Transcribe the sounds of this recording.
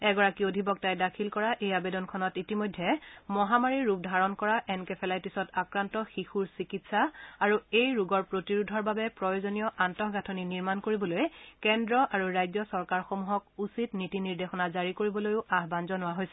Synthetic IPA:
ɛɡɔɹakiodʱibɔk̚tajdakʰilkɔɹaʔejabedɔnkʰɔnɔtitimojdʱːɛmɔɦamaɹiɹːup̚dʱaɹɔnkɔɹaʔɛnkɛpʰɛlajpisɔtakɹantɔxixuɹsikitsaaɹuejɹuɡɔɹpɹotiɹudʱɔɹbabɛpɹɔjozonijɔʔantɔxɡatʰoniniɹmankoɹibɔlojkɛndɹɔʔaɹuɹajzɔsɔɹkaɹxomuɦɔk̚usitnitiniɹdexɔnazaɹikoɹibɔlojʊʔaɦbanzɔnʊwaɦojsɛ

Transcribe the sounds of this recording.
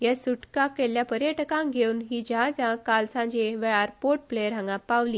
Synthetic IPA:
jasuʈkakeljapəɾjəʈkãŋɡʱeunɦiːd͡ʑãd͡zãkalsãd͡ʑeʋeɭaɾpoʈ̚pleəɾãŋɡapaʋli

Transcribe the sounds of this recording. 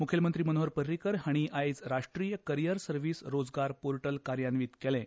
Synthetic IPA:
mukʰjelmənt̪ɾiːmənoɦəɾpəɾːikəɾɦaɽ̃iʔajd͡zɾaʂʈɾiːjəkəɾijəɾsəɾʋiːsɾod͡zɡaɾpoɾʈəlkaɾjanʋiːt̪kɛlɛ̃

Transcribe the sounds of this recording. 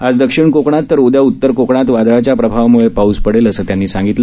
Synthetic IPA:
ad͡zd̪əkʂiɳkokɳat̪ːəɾod̪jaut̪ːəɾkokɳat̪ʋad̪ɾat͡ɕjapɾəbʱaʋmuɭepauːspəɽeləsəːt̪janːiːsãŋɡit̪lə

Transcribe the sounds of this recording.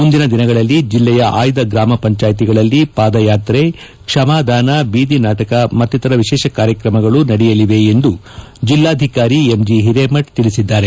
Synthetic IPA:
mund̪inɐd̪inɐɡɐɭɐlːid͡ʒilːɛjɐʔaːjd̪ɐɡɾaːmɐpɐɲt͡ʃaːjt̪iɡɐɭɐlːipaːd̪ɐjaːt̪ɾe | kʂɐmaːd̪ʱaːnɐbiːd̪inaːʈɐkɐmɐt̪ːit̪ɐɾɐʋiʃɛːʃɐkaːɾjɐkɾɐmɐɡɐɭunɐɽijɐliʋe̞end̪u | d͡ʒilːaːd̪ʱikaːɾiemd͡ʒiɦiɾeːmɐʈt̪iɭisid̪ːaːɾe

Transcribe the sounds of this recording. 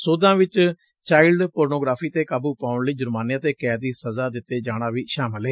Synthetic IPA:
soːd̪ãːʋɪt͡ʃ | t͡ʃaːɪlɖpoːɾnoːɡɾaːpʰiːt̪eːkaːbuːpaːʊɳləiːd͡ʒʊɾmaːnjãːt̪eːkɛːd̪iːsəzaːd̪ɪt̪ːeːd͡ʒaːɽ̃aːʋiːʃaːməlɦɛː

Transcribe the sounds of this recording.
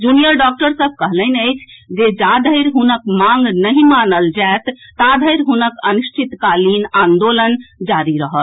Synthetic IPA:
d͡ʒunijəɾɖɔk̚ʈəɾsəb̚ʱkəɦlənəɪt͡ʃʰd͡ʒed͡ʒad̪ʱəjɾɦunəkmaŋɡnəɦĩmanəld͡ʒaet̪ːad̪ʱəjɾɦunəkənuʃʈʰit̪kalinãnd̪olənd͡ʒaɾiɾəɦəl

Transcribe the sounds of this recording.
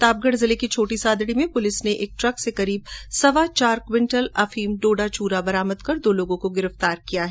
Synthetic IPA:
t̪aːb̚ɡəɽzɪlekit͡ʃʰoːʈisaːd̪ɽimẽpʊlɪsneʔeːk̚ʈɾɐksekɐɾiːbsɐʋat͡ʃaːɾkwɪ̃ɳʈəlɐfiːmɖoːɖat͡ʃuːɾabɐɾaːməd̪kɐɾd̪oːloːɡõkoɡɪɾəft̪aːɾkijaɦɛ

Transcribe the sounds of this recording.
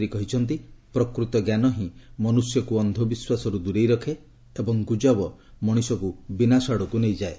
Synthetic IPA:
ɾikɔɦit͡ʃʰɔnt̪ipɾɔkɾut̪ɔɡjanɔɦĩmɔnusjɔkuɔnd̪ʱobiswasɔɾud̪uɾejɾɔkʰe | ebɔŋɡud͡ʒabɔmɔɽ̃isɔkubinasaɽɔkunejd͡ʒae

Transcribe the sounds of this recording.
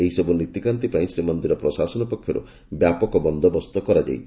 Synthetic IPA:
eɦisɔbunɾit̪ikant̪ipaĩsɾimɔnd̪iɾɔpɾɔsasɔnɔpɔkʰjɔɾṵ | bjapɔkɔbɔnd̪ʱɔbɔst̪ɔkɔɾad͡ʒa̰jt̪ʰ

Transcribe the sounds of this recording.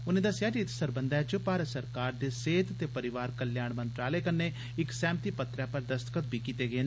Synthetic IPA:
ʊnẽːd̪əsːɪjaːʈit̪səɾbənd̪aːt͡ʃəpaːɾət̪səɾkaːɾd̪eːseːt̪t̪eːpəɾɪʋaːɾkəljaːɳmənt̪ɾaːləekənːeː | ɪksɛ̃ːmt̪iːpət̪ɾɛːpəɾd̪əst̪ə̥kət̪̚bʱiːkiːt̪eːɡeːn

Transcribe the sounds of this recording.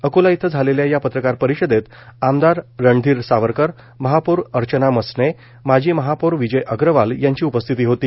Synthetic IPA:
əkulait̪ʰəd͡zʱaleljajapət̪ɾəkaɾpəɾiɕəd̪et̪ | amd̪aɾːəɳɖ̪ʱiːɾsaʋəɾkəɾ | məɦapuɾəɾt͡ɕənaməsne | mad͡ʑʱiːməɦapuɾʋid͡ʑəjʔəɡɾəʋaljaɲt͡ɕiːupəst̪ʰit̪iːɦot̪iː

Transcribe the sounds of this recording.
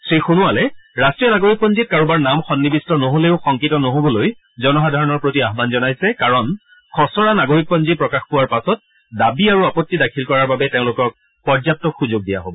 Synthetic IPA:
sɹixunuwalɛɹastɹijɔnaɡoɹik̚pɔnzit̚kaɹubaɹnamxɔnːibistɔnoɦoleʊxɔŋkitɔnoɦobɔloj | zɔnɔxadʱaɹɔnɔɹpɹotiaɦbanzɔnajsɛkaɹɔn | kʰɔsɔɹanaɡoɹik̚pɔnzipɹɔkaxpuwaɹpasɔt̚ | dabiaɹuapɔtːidakʰilkɔɹaɹbabɛteʊ̃lʊkɔk̚ | pɔɹzap̚tɔkxuzoɡ̚dija̰ɦobɔ

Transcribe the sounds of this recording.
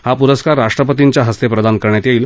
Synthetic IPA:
hapuɾəskaɾːaʂʈɾəpət̪iɲt͡ɕjaɦəst̪epɾəd̪ʱankəɾɳjat̪jeiːl

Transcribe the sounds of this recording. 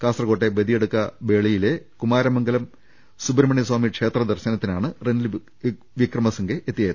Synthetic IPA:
kaːsrɐko̞ːʈːebɐd̪ijeɽukːɐbe̞ːɭijile̞kumaːɾɐmɐŋɡɐlɐm | subɾmɐɳiswaːmikʂe̞ːt̪rɐd̪ɐrɕɐnɐt̪ːinaːɳɨrenil | ʋikrɐmɐsɐŋɡeʔet̪ːijɐːjɐ

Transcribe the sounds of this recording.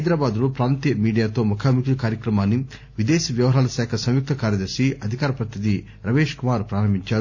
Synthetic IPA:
ɐjd̪ɾaːbaːd̪lopɾaːnt̪ɐmiːɖijaːt̪o̞ːmɐkʰaːmikiɐkaːɾjɐkɾɐmaːnːi | ʋid̪eːsiʋjɐʋɐɦaːlɐsɛːkʰɐsɐ̃m̃juk̚t̪ʰɐkaːɾjɐd̪ɐɾʃiʔɐd̪ʱikaːɾɐpɾɐt̪ʰid̪i | ɾɐʋeːʃkumaːɾpɾaːɾɐmiɲt͡ʃaːɾu

